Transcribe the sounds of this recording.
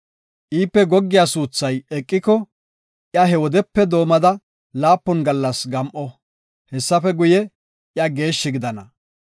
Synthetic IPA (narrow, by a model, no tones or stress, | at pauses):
ʔiːpːɛɡɔɡːɪjasuːt͡sːɐjɛkʼːɪkɔ | ʔjɐɦɛwɔd̪ɛpːɛd̪o̞ːmɐd̪ɐ | laːpːɔnɡɐlːɐsɡɐmʔɔ | hɛsːɐfɛɡʊjɛ | ʔjɐɡe̞ːʃːɪɡɪd̪ɐnɐ